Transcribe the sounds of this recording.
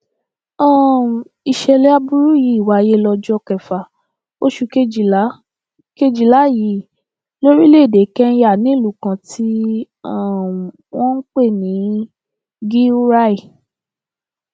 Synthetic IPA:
ɔ̃˦˨ | i˧˨ʃɛ˧lɛ˦a˧bu˦ɾu˦ji˨˦i˦˨wa˨˦˧je˦lɔ˧d͡ʒɔ˦˧˨kɛ˨fa˨ | o˦ʃu˧ke˦i˨˦ | ke˦d͡ʒi˧˨la˨˦ji˨˦˨ | lo˦ɾi˦le˦˨de˨˦kɛ˦ja˦˨nĩ˨˦˨lu˨˦kã˧tʰi˦ | a˦˨ | wɔ̃˦k͡pe˦˨nĩ˨˦ | ɡi˦u˦ɾa˦i˨

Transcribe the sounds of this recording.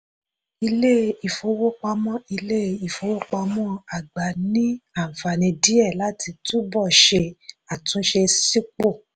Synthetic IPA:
i˧le˦i˨fo˧wo˦k͡pa˧mɔ̃˦i˧le˦˨i˨fo˧˦wo˦k͡pa˧mɔ̃˦a˨ɡ͡ba˨nĩ˦a˦˨fa˨nĩ˧di˦ɛ˦˨la˦tʰi˧tu˦bɔ˦˨ʃe˧a˨tũ˨˦ʃe˧si˦k͡po˦˨

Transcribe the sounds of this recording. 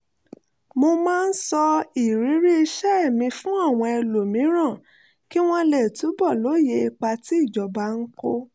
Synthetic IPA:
mo˧mãː˦˧n̩˦sɔ˧i˨ɾi˨˦ɾi˦i˧ʃɛ˦ɛ˦˨mĩ˧fũ˦a˦˨w̃ɔ̃˧ɛ˧lo˨mĩ˨˦ɾ̃ã˦˨ | ki˦w̃ɔ̃˦lɛ˨tu˨˦bɔ˦˨lo˨˦˨je˧i˧k͡pa˧ti˦i˦˨d͡ʒɔ˨ba˧n̩˦ko˦

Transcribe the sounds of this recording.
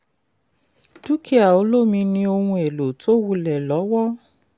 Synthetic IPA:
du˦kʰi˦a˨o˨˦lo˦˨mĩ˧nĩ˧o˧hũ˧e˨lo˨to˦wu˧lɛ˨lɔ˨˦wɔ˦

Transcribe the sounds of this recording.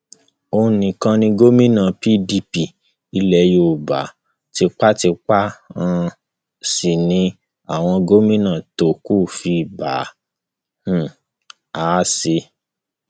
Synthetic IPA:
o˧nĩ˨˧kã˧nĩ˧ɡo˦mĩ˦nã˨pi˦˨di˧˦pi˨ | i˧lɛ˧˨jo˦˨ba̰˨˦ | ti˧k͡pa˦ti˧k͡pa˦ã˧ | si˨nĩ˨˧˦ | a̰˦˨w̃ɔ̃˧ɡo˦mĩ˦nã˦˨to˨ku˦˨fi˧˨ba˨˦˨ | a˨˦se˧

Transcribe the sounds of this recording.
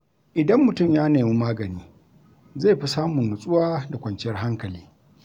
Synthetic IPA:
ʔɪ˨dɐ˦mːʊ˨tʊ˦˨mjaː˦neː˨mi˦maː˦ɡɐ˨niː˦ | zeː˦˨ɸi˦saː˦mʊ˨nːʊ˨sʼʊ˦waː˦da˨kʷɐ˨nt͡ʃɪ˦jɐ˦rɦa˦ŋkɐ˨liː˦

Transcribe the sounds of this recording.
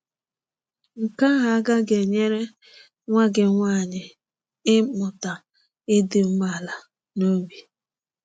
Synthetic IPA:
ŋ̩˨ka˦ɣa˨a˦ɡa˦ɡe˨ɲe˦ɾe˦ | ŋʷa˦ɡɪ˨ŋʷa˦˨ɲɪ˨ | ɪ˦mʊ˨ta˨ | ɪ˦dɪ˨m̩˦ma˦˨la˨ | no˦bi˨

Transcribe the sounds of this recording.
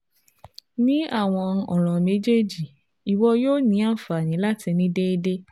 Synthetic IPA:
nĩ˦a˦˨w̃ɔ̃˧ɔ˨ɾ̃ɔ̃˨me˦d͡ʒe˦d͡ʒi˨ | i˨wɔ˧joː˦˨nĩ˨˧˦a˦˨fa˨nĩ˨˦la˦ti˧nĩ˦de˦i˦˧de˦

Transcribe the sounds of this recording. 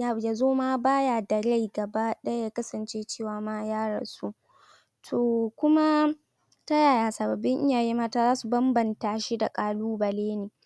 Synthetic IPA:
ja˦jaː˨zoː˦maː˦baː˦ja˨dɐ˨ɽa˦jɡɐ˨ba˦ɗɐ˦ja˦jaː˦kɐ˦sɐ˨nt͡ʃeː˦t͡ʃeː˦˨waː˨maː˦jaː˦ɽɐ̰˨su˦ | tʰoː˨kʷʊ˦ma˦ | ta˦jaː˨jaː˨sɐ˨bɐ˨bːɪ˦ŋʔɪ˦jaː˨ji˦maː˦taː˦zaː˦su˨bɐ˦mbɐ˨ntaː˨ʃi˦da˨kʼaː˨luː˦bɐ˨leː˦neː˨

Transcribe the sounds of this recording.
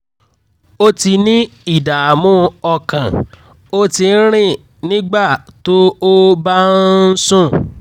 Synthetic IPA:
o˦ti˧nĩ˦i˦˨da˨mũ˦˧ɔ˧kã˨ | o˦ti˧n̩˦ɾ̃ĩ˦˨ | nĩ˦ɡ͡ba˦˨to˦o˦ba˦n̩˦sũ˦˨

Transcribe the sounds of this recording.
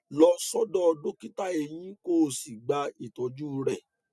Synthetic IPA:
lɔ˧sɔ˦dɔ˦˧do˦ki˦ta˦e˧j̃ĩ˦ko˦˨si˨ɡ͡ba˧i˦˨tɔ˨˧d͡ʒu˦˧ɾɛ˦˨

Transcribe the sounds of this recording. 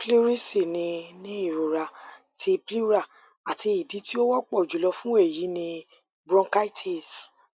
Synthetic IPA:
pli˦ɾi˦si˦˨nĩ˧nĩ˦i˦˨ɾo˨ɾa˧˨ | tʰi˧pli˦ɾa˦˨ | a˨ti˧i˨di˨˦ti˦o˦wɔ˦k͡pɔ˦˨d͡ʒu˨lɔ˧fũ˦e˦˨ji˨˦nĩ˧ | bɾɔ̃˧ka˦i˦tʰe˦˨s

